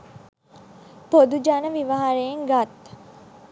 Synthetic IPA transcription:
pod̪ud͡ʒanəʋiʋaɦaɾejeŋɡat̪

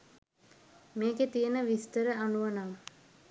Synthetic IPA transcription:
meːɡet̪ijənəʋist̪əɾəaɳuʋanam

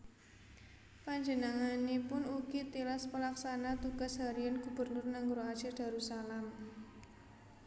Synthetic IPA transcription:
paɲd͡ʒənaŋanepʊnuɡ̥it̪ilaspəlaksanat̪uɡ̥a̤sɦaɾiənɡ̥ṳb̥ə̤rnʊrnaŋɡɾoḁt͡ʃɪrd̥a̤ɾusalam

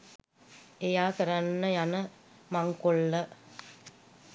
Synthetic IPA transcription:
ejaːkɐɾɐnːəjanə | maŋkolːə

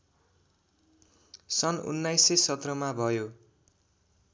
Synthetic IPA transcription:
sʌnṵnːajsesʌt̪rʌmabʱʌjo

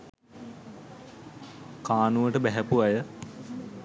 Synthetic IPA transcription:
kaːnuʋəʈəbæɦæpuajə

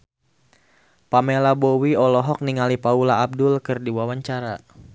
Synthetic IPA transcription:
pamelabowiɔlɔɦɔk̚niŋalipaulaːb̚dʊlkɨrdiwawaɲt͡ʃaɾa

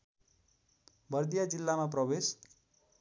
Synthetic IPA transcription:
bʌrd̪ijad͡zilːamaprʌbes

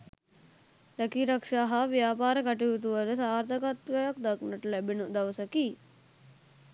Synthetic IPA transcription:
ɾɐkiɾɐkʂaɦɐʋjaːpaːɾɐkɐʈiɡut̪uʋɐlɐsaːɾt̪ʰɐkɐt̪ʋɐjɐk̚d̪ɐknɐʈlebinud̪ɐʋɐsɐki

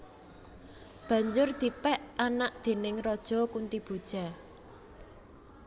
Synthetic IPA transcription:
b̥ä̤ɲd͡ʒʊrd̪̥i̤pɛʔanaʔd̪̥e̤nɪŋrɔd̥ʒ̥ɔ̤kunt̪ib̥o̤d̥ʒ̥a̤

